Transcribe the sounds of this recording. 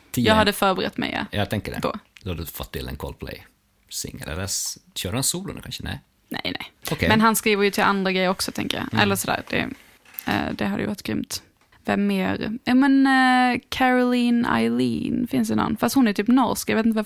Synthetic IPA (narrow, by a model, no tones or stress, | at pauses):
t̪ʰijɑːɡɦad̪ːəfœːɾbəɾɛ̰t̪ːmɛ̰ja̰jɑt̪ʰɛŋkədɛ̰bʰo̰d̪əhad̪ʉfɔt̪ʰːɪlɛ̰nkʰɔlpʰlɛ̰ɪj | sɪ̰ŋːəlɛ̰d̪ɛsɕøːdansuːlʊnəkʰanʂənɛ̰ɪ | nɛ̰ɪnɛɪkmɛnɦanskɾiːvəɾjɵt̪ʰɪlʔand̪ɾaɡɾɛjːəɾɔksɔt̪ʰɛŋkəjɑ̰ʔɛ̰lːəʂɔd̪æ̰ːɾd̪̥ɛ̰ | d̪ɛɦad̪ːəj̰vaɾɪt̪ɡɾʏ̰mt̪ | vɛmːeːɾjuːmɛnkʰæɾɔliːna̰ɪliːnfɪns̬d̪ɛnɔ̰nːfast̪hʊnːæɾjt̪yːpnɔɾskjɑjeːt̪nt̪əvɛ